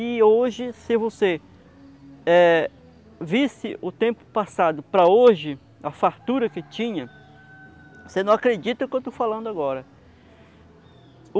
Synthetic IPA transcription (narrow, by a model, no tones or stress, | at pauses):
ɪoʒɪsɪvose | ɛ | visɪʊt̪ẽpʊ̥pasad̪ʊpɾɐoʒɪ | ɐfaɾt̪uɾɐkɪt͡ʃĩɲɐ | osenɐ̃w̃akɾed͡ʒit̪ɐkewt̪ofalɐ̃nd̪ʊaɡɔɾɐ